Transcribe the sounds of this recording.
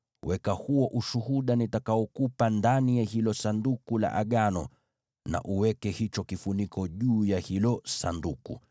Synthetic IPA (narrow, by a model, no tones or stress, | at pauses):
wɛkahuɔʔuʃuhuɗanitakaɔkupandanijahilɔsandukula̰ʔaɠanɔ̰ | na̰ʔuwɛkɛhit͡ʃɔkifunikʰɔʄuːjahilɔsa̰ndukṵ